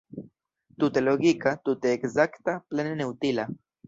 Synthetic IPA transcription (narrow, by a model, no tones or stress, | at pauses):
t̪ut̪eloɣikat̪ut̪eːksakt̪aplenenewt̪ila